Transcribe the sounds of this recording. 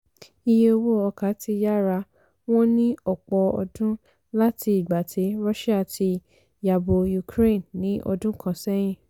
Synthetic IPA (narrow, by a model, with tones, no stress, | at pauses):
i˧je˧o˧wo˦ɔ˧˨ka˨˦ti˧ja˦ɾa˧ | w̃ɔ̃˦nĩ˦ɔ˨k͡pɔ˧ɔ̰˧dũ˦ | la˦ti˧i˨ɡ͡ba˨tʰe˨˦ɾɔ˦ʃɛ˦a˨ti˧ | ja˨bo˨ju˨kɾe˦˨nːĩ˨˦ʔɔ̰˧dũ˦kʰã˧˨sɛ˦j̃ĩ˦˨